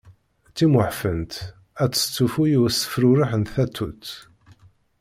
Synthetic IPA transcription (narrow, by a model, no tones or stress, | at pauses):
t͡sːimʊħfənt̪ | æt͡sːə̥t͡sːufujusə̥fɾuɾəħənθæt̪ʰːut͡sː